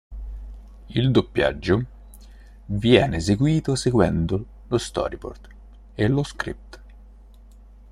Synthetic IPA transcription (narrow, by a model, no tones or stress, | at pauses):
ild̪opːja̰d͡ʒːo | vjɛːneːseɡwiːt̪oseɡwɛnd̪o | lost̪ɔ̰ːɾipo̰rt̪ | eloskɾḭp̚t̪